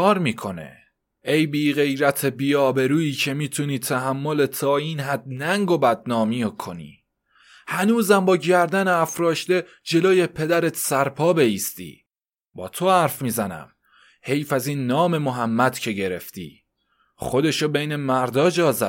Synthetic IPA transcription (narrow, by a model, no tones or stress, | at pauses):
kʰɒːɾmiːkʰo̞nḛ | e̞jbiːɣe̞jɾæt̪ʰe̞biːɒːbe̞ɾuːiːcʰe̞miːt̪ʰuniːt̪ʰæɦæmːo̞let̪ʰɒːiːnɦæd̪̥̚næŋɡo̞bæd̪̚nɒːmijokʰo̞nḭː | hænuːzæmbɒːɟæɾd̪æneæfɾɒːʃt̪e̞ | d͡ʒe̞loːjepʰe̞d̪æɾet̪ʰsæɾpʰɒːbe̞iːst̪ḭː | b̥ɒːt̪ʰo̞hæɾfmiːzænæ̰m | he̞jfæziːnːɒːme̞moɦæmːæd̪̥cʰe̞ɟe̞ɾe̞̰ft̪ḭː | χo̞d̪e̞ʃobejnemæɾd̪ɒːd͡ʒɒːzæ